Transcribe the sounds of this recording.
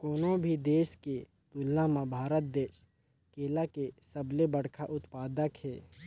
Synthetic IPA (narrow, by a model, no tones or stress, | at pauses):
koːnõbʱid̪eːʃke | t̪ʊlːãmãbʱaːɾət̪̚d̪eːʃ | keːlakesəblebəɽkʰaʔʊt̪paːd̪əkɦɛː